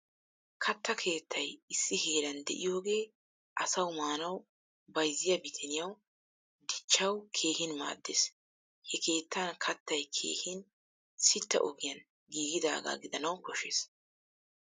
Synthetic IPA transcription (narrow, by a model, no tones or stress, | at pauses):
kʰɐt̪ːɐkʰe̞ːt̪ʰːɐjɪsːɪheːɾɐnd̪ɛ̰ʔɪjo̞ːɡe̞ː | ʔɐsɐwmaːnɐw | bɐjzːɪjɐbɪt̪ʰɛnɪjɐw | d̪ɪt͡ʃːɐwkʰe̞ːhɪnma̰ːd̪ːes | hɛkʰe̞ːt̪ːɐnkʰɐt̪ːɐjkʰe̞̰ːhɪn | sɪt̪ːɐ̰ʔɔɡɪjɐn | ɡiːɡɪd̪a̰ːɡa̰ːɡɪd̪ɐnɐwkɔʃeːs